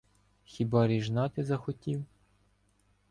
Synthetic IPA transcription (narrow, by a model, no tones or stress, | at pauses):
xʲibɑɾʲiʒnɑt̪ɪzɐxɔtʲiw